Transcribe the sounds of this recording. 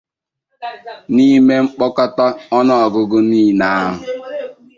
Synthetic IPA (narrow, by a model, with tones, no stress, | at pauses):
ni˦me˦ŋ͡m̩˦k͡pɔ˦kɔ˦tɔ˦ɔ˦nɔ˦ɔ˨ɡʊ˦ɡʊ˦niː˦˨na˦a˦ɦʊ˨